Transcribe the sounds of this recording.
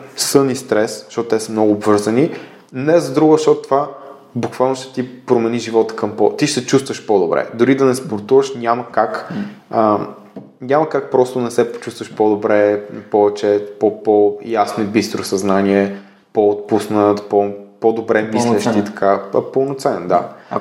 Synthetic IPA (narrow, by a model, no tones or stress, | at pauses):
sɤnist̪ɾɛsʃt̪ɔt̪ʊt̪ɛsəmnɔɡʊːbvɤɾzəni | nɛzɐd̪ɾuɡəʃt̪ɔt̪ʊt̪ːva | bukvalˠnoʃt̪ɛ̥t̪ipɾomɛniʒivɔt̪ə̥kɐmpɔ̰t̪iʃt̪ɛt͡ʃust̪vəʃpɔd̪obɾɛ̰d̪oɾid̪ɐnɛspoɾt̪uvəʃnʲaməkakə | ɲʲaməkak̚pɾɔst̪onɛsɛpo̥t͡ʃust̪vəʃpɔd̪obɾɛpɔvɛt͡ʃɛpɔpɔjasnoibist̪ɾosɐznaniɛ | pɔot̪̚pusnət̪pɔpod̪obɾɛmisllɛʃt̪it̪ɐ̥kʰapəlˠnot̪sɛnnd̪a̰